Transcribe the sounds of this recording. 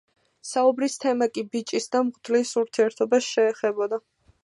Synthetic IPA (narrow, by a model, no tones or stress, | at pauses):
saubɾist̪ʰɛmakʼibit͡ʃʼisd̪amʁʼd̪lisuɾt̪ʰiɛɾt̪ʰɔbasʃɛːχɛbɔd̪a